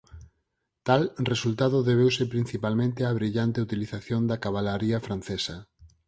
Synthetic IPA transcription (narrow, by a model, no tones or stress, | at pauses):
t̪alresult̪aðʊðeβ̞ewsepɾin̟θipalmẽnt̪eaβ̞ɾiʎant̪eut̪iliθaθjond̪akaβalaɾiafɾan̟θesɐ